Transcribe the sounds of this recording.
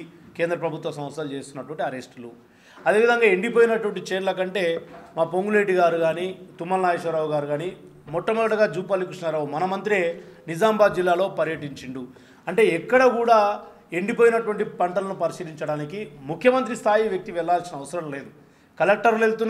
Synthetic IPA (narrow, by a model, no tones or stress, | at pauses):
keːnd̪ɾɐpɾɐbʱut̪ʋɐsɐmʋɐt̪sɐlt͡ʃe̞ːst̪unːɐʈuʋɐɳʈiɐɾe̞sʈlu | ɐd̪eʋid̪ɐŋɡaːeɳɖipo̞ːjinɐʈuʋɐɳʈit͡ʃeːɾlɐkɐɳʈe̞ːmaːpoŋɡuleːʈiɡaːɾuɡaːnit̪umːɐɾnaːjeʂʋɐɾaːuɡaːɾuɡaːni | mɔʈːɐmɐɡɐɽɐɡaːd͡ʒuːp̬alːikɾiʂɳɐɾaːwumɐnɐmɐnt̪ɾienid͡ʒaːmbaːd̪̚d͡ʒilːaːlo̞ːpɐɾjɐʈiɲt͡ʃiɳɖ̪u | ɐɳʈe̞ːɛkːɐɽɐkuːɽaː | e̞ɳɖipoːjinɐʈuʋɐɳʈipɐɳʈɐlɐnupɐɾiʃiːɾiɲt͡ʃɐɽaːnikimukʰːjɐmɐnt̪ɾist̪ʰaːjiʋjɐk̚t̪iʋɛɭːaːlsinɐʋɐsɐɾɐmle̞ːd̪u | kɐlek̚ʈɐɾlelt̪unː